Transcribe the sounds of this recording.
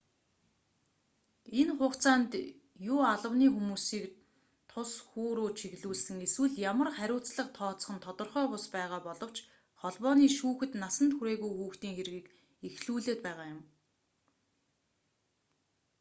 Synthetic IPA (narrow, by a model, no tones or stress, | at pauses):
enχʊːχt͡sʰaːnt̪ | jʊːaɮə̆wniːxumuːsiːk | t̪ʰʊsxuːɾuːt͡ɕʰiɣɮuːɮsɘ̆ŋeswɘ̆ɮjamə̆rχæɾʲʊːt͡sɮə̆qt̪ʰɔːt͡sə̥̆χə̆nt̪ʰɔt̪ɞ̆rχœːpʊspæːʁaːpɔɮɞ̆w̥t͡ɕ | χɔɮpɔːniːʃuːxɘ̆t̪nasə̆nt̪ʰxuɾeːɣujxuːxt̪iːŋxeɾ̆ɣiːk | exɮuːɮeːt̪̚pæːʁaːjʊm